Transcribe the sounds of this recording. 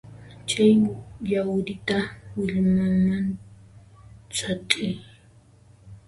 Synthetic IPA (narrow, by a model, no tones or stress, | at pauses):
t͡ʃajʎawd̪ɪt̪awɪʎmaan | t͡satʼɪj